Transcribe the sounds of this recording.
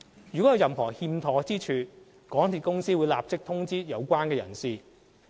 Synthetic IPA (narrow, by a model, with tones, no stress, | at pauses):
jyː˨˩kɔ˨˥jɐ˨˧wjɐ˨mhɔː˨˩hiː˧mt̪ʰɔː˨˥t͡siː˥t͡ʃʰyː˨ | kɔː˨˥ŋt̪ʰiː˨t̚kʊ˥ŋsiː˥wuː˨˧jlaː˨p̚t͡sɪ˥k̚t̪ʰʊ˥ŋt͡siː˥jɐ˨˧wkʷaː˥nkɛː˧jɐ̰˨˩nsiː˧